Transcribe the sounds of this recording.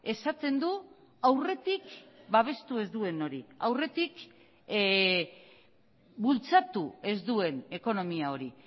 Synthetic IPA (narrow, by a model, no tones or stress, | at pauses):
e̞sat͡s̪e̞nd̪u | awre̞t̪ikbaβe̞st̪ue̞zd̪ue̞no̞ɾia̰wre̞t̪ik | bult͡sat̪ue̞zd̪ue̞ne̞ko̞no̞miao̞ɾi